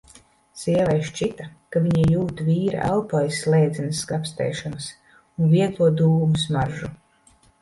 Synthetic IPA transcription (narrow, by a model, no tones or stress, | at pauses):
siɛlɛjʃt͡ʃit̪akaviɲijuːt̪uvʲiːɾa̰ʔæ̰lˠpɔjslˠɛːd̪zinɨskapst̪ɛ̰jʃɔnas | unviɛɡlˠuɔd̪uːmusmaɾʒu